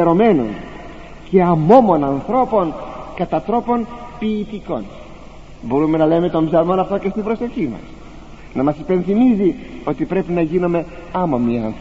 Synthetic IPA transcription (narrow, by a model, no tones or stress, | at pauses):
eɾo̞me̞nṵn | ce̞ɐmo̞mo̞nɐnθɾo̞po̞nkɐt̪ɐt̪ɾo̞po̞npiːt̪iko̞̰n | bo̞ɾume̞nɐleme̞t̪ombzɐlmo̞nɐft̪o̞cest̪ibɾo̞seçimɐ̰s | nɐmɐsi̥penθimizio̞t̪ipɾe̞pinɐʝino̞me̞ | ɐmomiɐ̰nθ